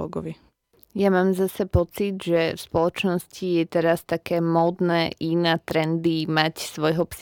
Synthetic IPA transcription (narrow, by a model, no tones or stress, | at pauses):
ɔ̰ɡɔ̰ʋi | jamaːmzasɛpɔt͡sid̪ʒɛfspɔlɔt͡ʃnɔscijɛt̪ɛɾast̪akɛːmɔd̪nɛːʔinat̪ɾɛnd̪imacsʋɔjɦɔps